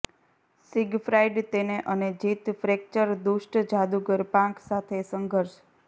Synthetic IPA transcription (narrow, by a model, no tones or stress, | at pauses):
siɡfɾajɖt̪eneʔəned͡ʒit̪fɾek̚t͡ʃəɾd̪uʃʈd͡ʒad̪uɡəɾpãksat̪ʰesəŋɡʱəɾʃ